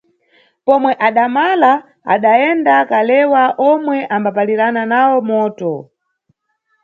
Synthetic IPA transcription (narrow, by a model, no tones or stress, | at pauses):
pɔmwɛʔaɗamala | a̰ɗaɛndakalɛwaʔɔmwɛʔambapaliɾananawɔmɔːtɔ